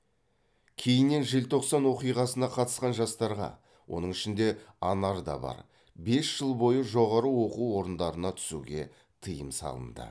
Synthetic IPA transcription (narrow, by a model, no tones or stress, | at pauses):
kʲʰe̞jɪnːe̞nʒɪlt̪ʰo̞qsɑnwo̞qijʁɑsənɑqʰɑt̪ə̥sqɑnʒɑst̪ɑɾʁɑ̰ | wʔo̞̰nəŋɪʃɪnd̪e̞ɑnɑɾd̪ɑ̰bɑ̰ɾ | be̞sʒ̥əlˠbo̞jəʒo̞ʁɑɾəwo̞quwwo̞ɾənd̪ɑɾənɑt̪ʰʏ̥sṵɡʲe̞ | t̪ʰəjəmsɑ̰lˠə̰nd̪ə̰